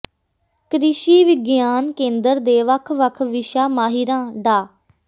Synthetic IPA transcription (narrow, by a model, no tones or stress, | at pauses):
kɾɪʃiːʋɪɡjaːnkẽːnd̪əɾd̪eːʋəkʰʋəkʰʋɪʃaːmaːɦiɾãːɖaː